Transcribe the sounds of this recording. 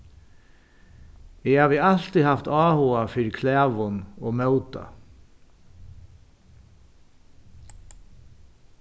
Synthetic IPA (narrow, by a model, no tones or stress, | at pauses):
ɪhaːʋɪal̥t̪ihaft̪ɑːhuːafɪɾkʰlæːʋʊnoːmœwt̪a̰